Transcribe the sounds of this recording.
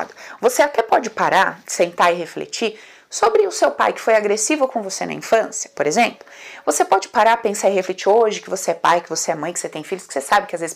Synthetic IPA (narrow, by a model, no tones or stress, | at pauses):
d̪ʊvoseat̪ɛpɔd͡ʒɪpaɾasẽnt̪aɪɦeflḛt͡ʃi | sobɾɪʊsewpa̰jkɪ̥fojaɡɾesivʊkõvosenɐ̰ḭ̃fɐ̃sjɐ̥poɾezẽmplʊvosepɔd͡ʒɪpaɾapẽsaɪheflet͡ʃiɾoʒɪkɪvoseɛpa̰jkɪvoseɛmɐ̃j̃kɪ̥set̪ẽj̃fiʎʊskɪ̥sesabɪkɪazvezɪ